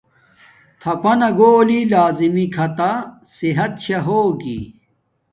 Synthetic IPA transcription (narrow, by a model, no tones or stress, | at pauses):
t̪ʰɐpɐnɐɡoːlilaːzimikʰɐt̪asiɦɐt̪ɕɐɦoːɡḭ